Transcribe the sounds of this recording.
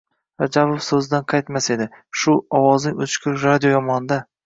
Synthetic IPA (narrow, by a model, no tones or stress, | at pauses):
ɾad͡ʒabofsɵzɪd̪anqʰɑjt̪mase̞d̪ɪʃʊɒwɒznɪot͡ʃkʲʰɪɾɾad̪ijojɒmɒnd̪a